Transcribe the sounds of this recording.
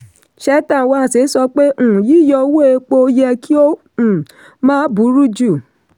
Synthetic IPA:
ʃɛ˦tã˦˨wa˦˨se˨˦sɔ˧k͡pe˦ũ˦˨ji˦jɔ˧˦wo˦e˧k͡po˧jɛ˧kʰi˦o˦˨ | mãː˦bu˨˦ɾu˦d͡ʒu˦˨

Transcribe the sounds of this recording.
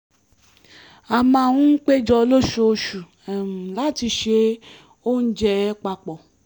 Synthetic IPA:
a˨mã˧˨wũ˦k͡pe˦d͡ʒɔ˧lo˦ʃo˧ʃu˨ | ɛ˨la˦˨ti˧ʃe˧˦ | o˦n̩˦d͡ʒɛ˧˦k͡pa˧k͡pɔ˨

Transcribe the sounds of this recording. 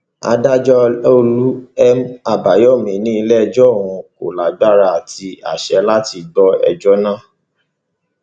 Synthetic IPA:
a̰˧da˦d͡ʒɔ˦o˧lu˦ɛ˦ma˦˨ba˨jɔ˦˨mĩ˨˦nĩ˦i˧lɛ˦ɛ˧d͡ʒɔ˦˨wũ˧ko̰˨la˨ɡ͡ba˦ɾa˦a˨ti˧a̰˨ʃɛ˧la˦ti˧ɡ͡bɔ˦ɛ̰˧d͡ʒɔ˦nã˦˨

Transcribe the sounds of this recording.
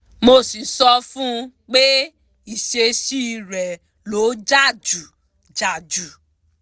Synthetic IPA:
mo˧˨si˨sɔ˧fũ˦ | k͡pe˦ | i˦˨ʃe˧ʃi˦˧ɾɛ˨ | lo˨˦d͡ʒa˦˨d͡ʒu˨ | d͡ʒa˨d͡ʒu˨

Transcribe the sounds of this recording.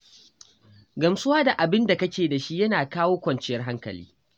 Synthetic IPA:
ɡɐ˨msʊ˦waː˦da˨ʔa˨bɪ˦nda˨kɐ˦kʲeː˨da˨ʃi˦jɐ˦naː˨kaː˦woː˦kʷɐ˨nt͡ʃɪ˦jɐ˦rɦa˦ŋkɐ̰˨lḭː˦

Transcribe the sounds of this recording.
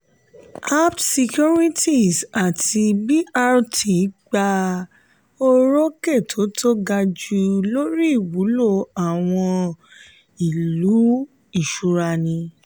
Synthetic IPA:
a˦ptsi˧kju˦ɾi˦ti˦˨sa˨tʰi˧bi˦a˦ɾtʰi˨˦ɡ͡ba˧ | o˦ɾo˦ke˦˨tʰo˨˦tʰo˦ɡa˧d͡ʒu˧lo˦ɾi˦i˦˨wu˨˦lo˦˨a˨w̃ɔ̃˧ | i˨lu˨˦ | i˦˨ʃu˧ɾa˧nĩ˧

